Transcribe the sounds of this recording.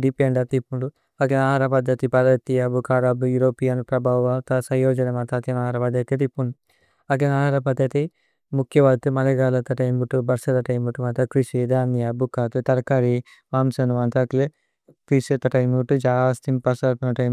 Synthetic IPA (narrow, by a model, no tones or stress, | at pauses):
ɖipeːɳɖɐt̪ipːuɳɖu | ɐkɐnaːɾɐpɐd̪jɐt̪ipɐd̪ɐt̪iɐbukaːɾabujuɾoːpijanupɾɐbaːʋʋat̪ɐsɐ̃joːd͡ʒɐnemɐnt̪at̪ɐnaːɾɐpɐd̪jɐk̪ɐt̪ipːuɳɖu | ɐk̬ɐnaːɾɐp̬ɐd̪jɐt̪i | mukʰːjɐʋɐːt̪umɐlɐɡaːlɐt̪ɐʈɐjmuʈːubɐɾsɐd̪ɐʈɐjmuʈːuʋɐnt̪ɐkɾiʃid̪aːnijabukaːt̪ut̪ɐɾkaɾi | ʋaːmsɐnuʋɐnt̪ɐkle | kɾisɐt̪ɐʈɐjmuʈud͡ʒaːst̪impɐɾsɐpnɐʈɐjm